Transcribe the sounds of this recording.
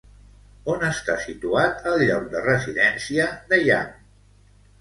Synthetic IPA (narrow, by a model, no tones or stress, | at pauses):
onəst̪asit̪uat̪əlˠʎɔk̚d̪ərəziðɛnsiəd̪əja̰n